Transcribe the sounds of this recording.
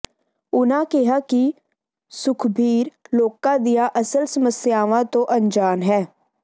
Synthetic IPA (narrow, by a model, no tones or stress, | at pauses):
ʊnãkɛɦaki | sʊkʰbʱiːɾloːkːad̪ijaʔɐsəlsəməsjaːʋãt̪oʔɐ̃nd͡ʒaːnɦɛː